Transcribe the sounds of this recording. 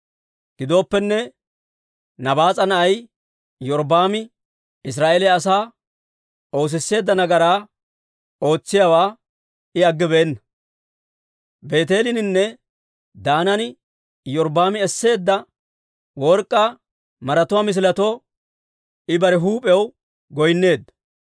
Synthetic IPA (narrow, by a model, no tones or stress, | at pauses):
ɡ̥ɪd̪o̞ːpːɛnːɛ | nɐbaːt͡sʼɐnɐʔɐj | jɔɾbaːmɪ | ɪs̬ɾaːʔelɛɐs̬aː | o̞ːs̬ɪsːe̞ːd̪ːɐnɐɡɐɾaː | o̞ːt͡sːɪjawaː | ɪɐɡːɪbeɛnːɐ | be̞ːt̪e̞ːlɪnɪnːɛ | d̪aːnɐnɪ | jɔɾbaːmɪɛsːe̞ːd̪ːɐ | wɔɾkʼːa | mɐɾɐt̪ʊwaːmɪs̬ɪlɐt̪oː | ɪbɐɾɛɦuːpʼɛw | ɡɔjnːe̞ːd̪ːɐ